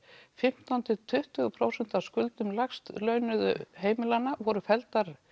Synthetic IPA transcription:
fɪm̥t̪awnt̪ɪt̪ʰʏht̪ʏɣʏpʰɾoːwsɛn̥t̪awskʏlt̪ʏmlaxst̪lœɥnʏðʏ̰ɦeːjmɪlanːavɔɾʏfɛlt̪aɾ

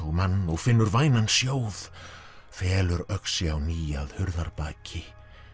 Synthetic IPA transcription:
manːɔɣfɪnːʏɾvaːjnansjoːwð̥ | fɛːlʏɾœksɪawniːjaðhʏɾðaɾpaːcʰɪ

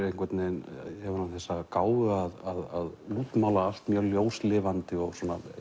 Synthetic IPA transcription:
ɾejnkʰvɛt̪nɪnɛvaɾnanθɛsːakaːwvʏaðaðaðluːt̪mawlaal̥t̪mjœljoːwslɪːvant̪ɪɔɣsɔːna̰

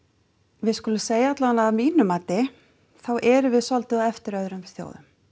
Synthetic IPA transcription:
vɪðskʊlʏmseːjaat̪laðanaːmiːnʏmaːt̪ɪ | θawʔɛɾʏvɪðsɔlt̪ʏɛft̪ɪɾœðɾʏmθjo̰wðʏ̰m

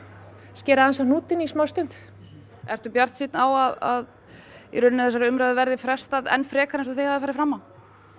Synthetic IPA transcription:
scɛːɾahansanuːt̪ɪnismawst̪ɪn̥t̪ | ɛɾ̥t̪ʏpjar̥t̪siːt̪nawaða̰ð | ḭɾʏnːɪθɛsːaɾɪʏmɾawðɪvɛɾðɪfɾɛ̥st̪aðɛ̰nːfɾɛːkaɾɛnsɔθejhavðɪfaːɾɪfɾamːaw

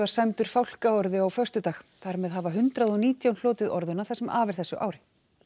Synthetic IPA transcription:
vaɾ̥sajmt̪ʏɾ̥fawl̥kaɔɾðɪawfœrst̪ʏt̪aːxθaɾmɛðɦavaɦʏnt̪ɾaðɔniːt̪jawnl̥ɔːt̪ɪðɔɾðʏnːaθɛsɛmʔaːvɪ̥θɛsʏʔa̰ːwɾɪ

